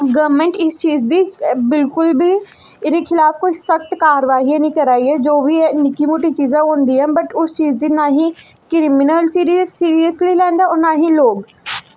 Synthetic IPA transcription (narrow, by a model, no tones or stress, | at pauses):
ɡɐʋmẽɳʈɪst͡ʃiːzd̪ibɪlkʊlbʱi | ɪɾexɪlaːfkoisɐxt̪kaːɾəʋaːɦiẽnĩkɐɾaːiɦɛd͡ʒoːbʱinɪkimoːʈit͡ʃiːzẽɦõːnd̪iɦɛ̃bɐʈʊst͡ʃiːzd̪inaɦĩ | kɾimɪnəlsiːɾizsiːɾijəslilɛ̃ːnd̪aɔːɾnaːɦĩloːɡ